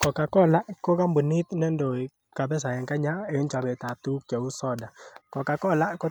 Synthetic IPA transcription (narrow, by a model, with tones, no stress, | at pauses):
kɔ˨ka˨kɔ˦˨la˦kɔ˦ka˦mbu˨ni˦t̪nɛ˦ndo˨i˨ | ka˨bɛ˦s̬a˨jɛ˨ŋka˦ɲa˦e˨ɔ˦nt͡ʃa˨bɛ˨ta˨tu˦kt͡ʃɔ˨u˦sɔ˦da˨kɔ˨ka˨kɔ˦la˦kɔ˦